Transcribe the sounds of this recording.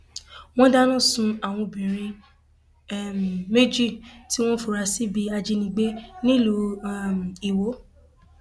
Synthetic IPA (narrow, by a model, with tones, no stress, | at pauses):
w̃ɔ̃˦da˦nã˦˨sũ˧a˨w̃ɔ̃˧bĩ˨ɾĩ˧˦ | m˨me˦d͡ʒi˦˨ti˦w̃ɔ̃˦fu˨ɾa˧si˦bi˧a˧d͡ʒi˦˧nĩ˧ɡ͡be˦nĩ˦˨lu˧˦˨m˨i˨wo˨˦